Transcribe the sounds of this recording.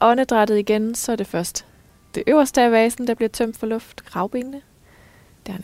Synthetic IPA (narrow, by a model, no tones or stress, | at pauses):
ʔɒ̽nəd̥ʁad̥ð̩ˠiɡ̥ensɒ̽ɐd̥e̝fɶɐsd̥ | d̥e̝ʔøʊɐsd̥əæʋɛːsn̩d̥ɑ̈b̥liɐt͡sʰœm̰d̥fɒlɔ̽fd̥kʰʁɑ̈ʊb̥e̝nnə | d̥æɐ